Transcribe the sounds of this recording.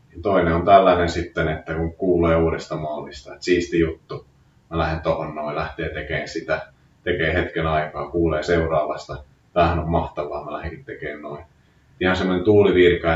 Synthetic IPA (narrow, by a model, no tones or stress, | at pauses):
nit̪oineont̪ælːænensit̪ːenet̪ːækuŋkuːleːuːɾest̪ɑmɑlːist̪ɑet̪siːst̪ijut̪ːu | mælæhent̪ohonnoilæht̪eːt̪ekeːnsit̪æ | t̪ekeːhet̪kenɑikɑːkuːleːseurɑːʋɑst̪ɑ | t̪æːhænommɑht̪ɑʋˑɑːmælæheŋkit̪t̪ekeːnnoi | ihɑnsemːonent̪uːliʋirkɑ